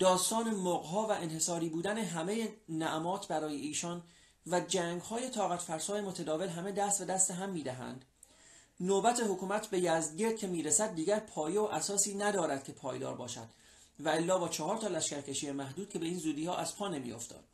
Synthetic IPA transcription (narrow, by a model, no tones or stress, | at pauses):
d̪̥ɒːst̪ɒːne̞moʁɦɒːvæʔenhe̞sɒːɾiːbuːd̪æne̞ɦæme̞jenæʔmɒːt̪ʰbæɾɒːje̞iːʃɒːn | væd͡ʒæːŋɡhɒːje̞t̪ʰɒːɣæt̪fæɾsɒːje̞mo̞t̪ʰæd̪ɒːve̞lɦæme̞d̪æst̪be̞d̪æst̪eɦæmːiːd̪æɦæ̰nd̪̥ | nobæt̪ʰe̞hokuːmæt̪ʰbe̞jæzd̪ɟe̞ɾd̪̥̚cʰe̞miːɾesæd̪̚ːiːɟæɾpʰɒːjeoʔæsɒːsiːnæd̪ɒːɾæd̪̥̚cʰe̞pʰɒːjd̪ɒ̰ːɾbɒ̰ːʃæ̰d̪̥ | væelːɒːbɒːt͡ʃʰɒhɒːɾt̪ʰɒːlæʃkæɾcʰe̞ʃijemæɦd̪uːd̪̥̚kʰe̞be̞iːnzuːd̪iːhɒːʔæz̥pʰɒːne̞mḭo̞̰ft̪ʰɒ̰ːd̪